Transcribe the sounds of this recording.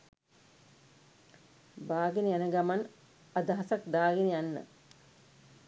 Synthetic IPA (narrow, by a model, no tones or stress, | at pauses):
baːɡinijanəɡaman | ad̪aɦasak̚d̪aːɡinijanːə̰